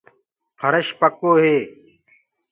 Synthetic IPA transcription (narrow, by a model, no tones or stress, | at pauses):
pʰəɾəʃpəkoːɦeː